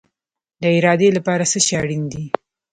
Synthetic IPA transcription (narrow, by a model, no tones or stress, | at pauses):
d̪əɪɾɑd̪elapɑɾasəʃeaɽind̪i